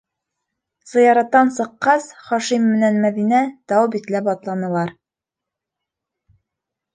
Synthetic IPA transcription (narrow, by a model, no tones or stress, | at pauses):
zɤ̆jɑɾɑt̪ːɑnsɤ̆qːɑsχɒʃimːɘ̆nænmæðinæt̪ɒwbit̪læpɒt̪lˠɑnɤ̆lˠɑɾ